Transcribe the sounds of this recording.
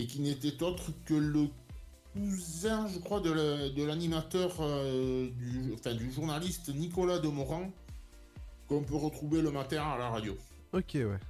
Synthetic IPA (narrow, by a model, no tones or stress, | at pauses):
ek̬ʲinet̪ɛt̪ɔt̪χəkələ | k̚uzɛ̃ʒəkχwad̪əld̪əlanimat̪œʁød̪yɑ̃fɛ̃d̪yʒuʁnalist̪nikɔlad̪əmɔʁɑ̃ | kɔ̃pøʁət̪χuveləmat̪ɛ̃alaʁad̪jo | ɔkʲewɛ̰